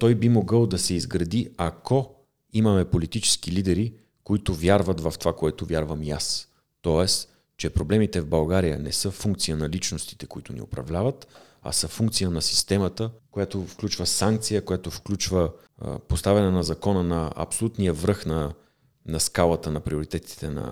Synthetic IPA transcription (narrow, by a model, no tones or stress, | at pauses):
t̪ɔjbimoɡɤlˠd̪ɐsɛizɡɾɐd̪iako | imɐmɛpolit̪it͡ʃɛ̥sk̟ilid̪ɛɾi | koit̪ʊvjaɾvɐt̪vɐft̪ovakoɛt̪ʊvʲjaɾvəmijas | t̪ɔɛs | t͡ʃɛpɾoblɛmit̪ɛvbɐlˠɡaɾijə̰nɛsɤfuŋk̚t̪sijənɐlit͡ʃnost̪i̥t̪ɛ̥koit̪ʊ̰nḭo̰pɾɐ̰vlʲavɐt̪ | ɐ̰sɤfuŋkt̪sijənɐsi̥st̪ɛmɐt̪əkojat̪ofklʲut͡ʃvəsaŋk̚t̪sijəkojat̪ofklʲut͡ʃvə̰ | post̪avɛnɛnɐzɐkɔnənɐɐ̰psolʲut̪nijəvɾɤxnɐ | nɐskalˠət̪ənɐpɾioɾit̪ɛt̪i̥t̪ɛnɐ̰